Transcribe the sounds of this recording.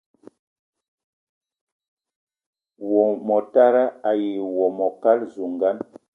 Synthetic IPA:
wɔ˨mɔ˨ta˦ɾa˦a˨ji˨wɔ˨mɔ˨ka˦lzu˨ŋɡa˦n

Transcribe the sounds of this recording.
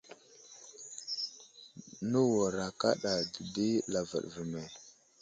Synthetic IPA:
nə˦wo˨ɾa˨ka̰˦ɗa˨də˨di˦la˨va̰˨ɗvə˨me˨

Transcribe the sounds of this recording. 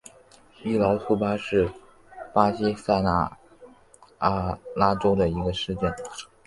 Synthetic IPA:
i˥˩lɑ˧˥ʊt̪ʰu˥˩pa˥ʂɻ̩˥˩ | pa˥ɕi˥sa˥˩ɪna̰˥˩˥ | la˥ʈ͡ʂo˥ʊd̪ə˨i˧˥ɡə˧ʂɻ̩˥˧t͡ɕjɛ˥˩n

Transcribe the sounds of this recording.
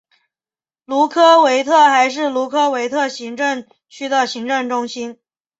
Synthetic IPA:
lu˧˥kʰɤ˥we˧˥ɪt̪ʰɤ˥˩xa˧˥ɪʂ̬ɻ̩˥˩lu˧˥kʰɤ˥we˧˥ɪt̪ʰɤ˥˩ɕi˧˥ŋʈ͡ʂə˥˩ŋ | t͡ɕʰy˥d̪ə˨ɕi˧˥ŋʈ͡ʂə˥˩ŋʈ͡ʂʊ˥ŋɕi˥n

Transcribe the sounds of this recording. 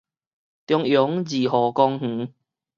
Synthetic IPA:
t̪jɔ˧ŋjʊ˨˦˥ŋziː˨˩ɦɔː˨˩kɔː˧ŋh̩˨˦

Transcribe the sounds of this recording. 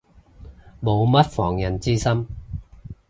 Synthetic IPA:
mo˨˧wmɐ˥t̚fɔː˨˩ŋjɐ˨˩nt͡siː˥sɐ˥m

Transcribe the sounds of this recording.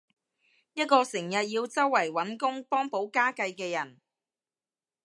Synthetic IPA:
jɐ˥t̚kɔː˧sɪ˨˩ŋjɐ˨t̚jiː˧wt͡sɐ˥wːɐ˨˩jwɐ˨˥nkʊ˥ŋpɔː˥ŋpo˨˥wkaː˥kɐ˧jkɛː˧jɐ˨˩n

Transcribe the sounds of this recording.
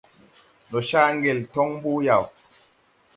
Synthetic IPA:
nɔ˨ʃa˦ŋ˦ɡe˨ltɔ˦ŋm˦bu˦ja˨w

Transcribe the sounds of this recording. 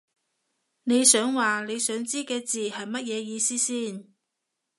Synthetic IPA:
ne˨˧jsœː˨˥ŋwaː˨ne˨˧jsœː˨˥ŋt͡siː˥kɛː˧t͡siː˨˩hɐ˨jmɐ˥t̚jɛː˨˧jiː˧siː˥siː˥˩n

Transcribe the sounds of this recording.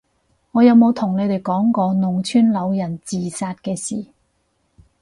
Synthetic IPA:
ŋɔː˨˧jɐ˨˧wmo˨˧wt̪ʰʊ˨˩ŋne˨˧jt̪e˨˩jkɔː˨˥ŋkɔː˧nʊ˨˩ŋt͡ʃʰyː˥nlɐ˨˧wjɐ˨˩nt͡siː˨˩saː˧t̚kɛː˧siː˨˩

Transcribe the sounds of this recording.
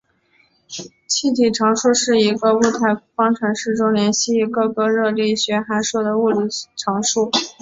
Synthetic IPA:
t͡ɕʰi˥˩t̪ʰi˨˩ʈ͡ʂʰɑ˧˥ŋʂu˥˧ʂɻ̩˥˩i˧˥ɡə˧u˥˧t̪ʰa˥˩ɪfɑ˥ŋʈ͡ʂʰwa˧˥nʂɻ̩˥˩ʈ͡ʂo˥ʊljɛ˧˥nɕi˥˩i˧˥ɡɤ˥˧kɤ˥ɻɤ˥˧li˥˩ɕɥɛ˧˥xa˧˥ɪʂɔ˨˩d̪ə˩u˥˩li˨˩ʈ͡ʂʰɑ˧˥ŋʂu˥˩

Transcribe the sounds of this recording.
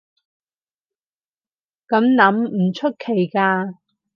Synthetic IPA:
kɐ˨˥mnɐ˨˥mm̩˨˩t͡ʃʰɵ˥t̚kʰe˨˩jkaː˧

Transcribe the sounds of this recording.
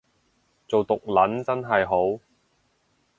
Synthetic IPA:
t͡so˨wt̪ʊ˨k̚lɐ˨˥nt͡sɐ˥nɦɐ˨jɦo˨˥w

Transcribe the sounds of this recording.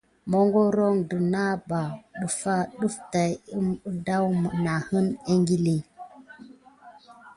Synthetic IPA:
mɔ˦ŋɡo˦ɾo˦ŋdə˨na˦ba˨ɗə˦fa˦ɗə˦fta˨jm˦da˦wmə˨na˨hə˦ne˦ŋɡi˦li˦

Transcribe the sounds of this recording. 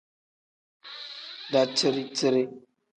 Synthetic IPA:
da˨tə˦ɾi˦tə˦ɾi˦

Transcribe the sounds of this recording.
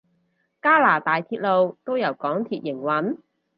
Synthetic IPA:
kaː˥laː˨˩t̪aː˨jt̪ʰiː˧t̚lo˨˧wt̪o˥wjɐ˨˩wkɔː˨˥ŋt̪ʰiː˧t̚jɪ˨˩ŋwɐ˨˥n

